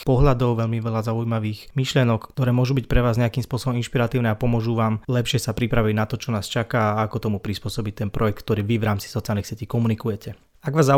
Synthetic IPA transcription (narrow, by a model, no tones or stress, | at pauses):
pɔɦʎad̪ɔʊʋɛʎmiʋɛlazaujmaʋiːxmiʃlɪɛnɔkkːt̪ɔɾɛːmʊɔʒubicpɾɛʋaːzɲɛakimspʊɔsɔbɔminʃpiɾat̪iːʊnɛapɔmʊɔʒuʋaːmlɛpʃɪɛsapɾipɾaʋiɟnat̪ɔt͡ʃɔnaːst͡ʃakaːakɔt̪ɔmupɾispʊɔsɔbict̪ɛnpɾʔɔjɛk̚t̪k̚t̪ɔɾiːʋiʋɾaːmt͡si̥sɔt͡sialnixsɪɛciːkɔmunikujɛcɛ | aɡʋaːzːa